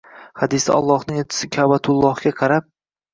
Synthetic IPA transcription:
hɑd̪ɪsa̰ɒ̰lˠːɒhnɪŋot͡ʃ̪ʰɪ̥sɪkʲʰabat̪ʰʊlˠːɒhɡʲaqʰɑɾap̚

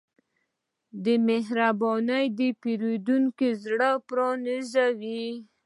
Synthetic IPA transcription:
d̪əmeɦɾabɔnəjd̪əpeɾed̪uŋkizɽəpɾɑnizawi

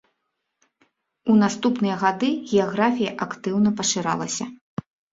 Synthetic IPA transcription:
unast̪upnɨjɐɣad̪ɨɣʲɛjaɣɾafʲijɐʔakt̪ɨwnɐpɐʂɨɾa̰lˠɐsʲɐ

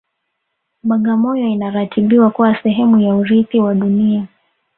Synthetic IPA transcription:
ɓaŋɡamɔjɔinaɾatʰiɓiwakuwasɛɦɛmujauɾiθiwaɗunia

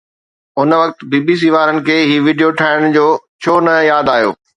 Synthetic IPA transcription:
ʊnʋɐkt̪biːbiːs̬iːʋaːɾənɪ̆kʰeːɦiːʋiːɖijoʈʰaːɪɽ̃d͡ʑoːt͡ɕʰoːnɐjaːd̪aːɦjo̰ː

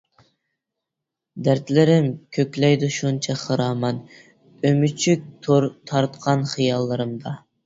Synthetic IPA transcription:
d̪æɾt̪ʰlɪɾɪmkʲʰøkʲlɛjd̪uʃunt͡ʃʰɛχɨɾɑːmɑn | ømyt͡ʃʰyk̚ʲt̪ʰuɾt̪ʰɑɾt̪qʰɑnχɨjɑlˠːɨɾɨmd̪ɑ

